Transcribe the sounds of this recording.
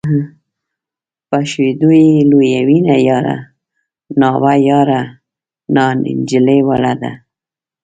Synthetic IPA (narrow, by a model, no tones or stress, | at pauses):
ɦə | paʃwed̪ujelojawinajɑɾa̰ | nɑwajɑɾa | nɑnɪ̰nd͡ʒɪlewalad̪a̰